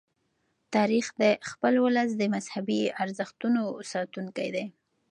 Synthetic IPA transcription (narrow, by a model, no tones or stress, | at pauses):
t̪ɑɾixd̪əxpəlwʊləs̬d̪əmazhabiaɾzəxt̪unosɑt̪uŋkajd̪a